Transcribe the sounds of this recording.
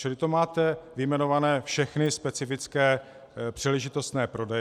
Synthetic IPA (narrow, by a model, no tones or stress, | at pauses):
t͡ʃɪlɪt̪omaːt̪ɛvɪjmɛnovanɛːfʃɛxnɪspɛt͡sɪfɪt͡skɛː | pr̝̥ilɛʒɪt̪o̞st̪nɛːpɾo̞dɛj